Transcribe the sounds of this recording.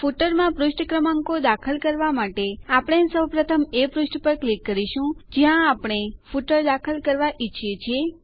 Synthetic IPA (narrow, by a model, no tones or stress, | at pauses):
fuʈəɾmãpɾʊʃʈkɾəmãŋkod̪akʰəlkəɾʋamaʈeapɽ̃esəwpɾət̪ʰəmepɾʊʃʈʰpəɾklikːəɾiʃũd͡ʒjãːpɽ̃efuʈəɾd̪akʰəlkəɾʋaʔiːʃʰjet͡ʃʰie